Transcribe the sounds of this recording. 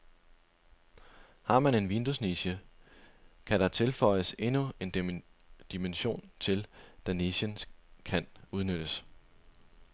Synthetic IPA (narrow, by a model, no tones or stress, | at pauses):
hɑ̈mæne̝nʋind̥usniɕə | kʰæɾ̥ɑ̈t͡sʰe̝lfɒ̽ɪ̰əse̝nue̝n | d̥imenɕo̝̰ːnt͡sʰe̝ld̥æneɕənskʰænuð̞ˠnød̥əs